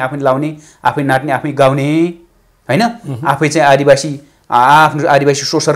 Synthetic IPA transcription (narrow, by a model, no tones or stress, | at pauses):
apʰnlawne | a̰pʰʌjnaʈneapʰʌjɡawne | ɦojnʌapʰʌjt͡saĩad̪ibasi | pʰnoad̪ibasisosʌɾ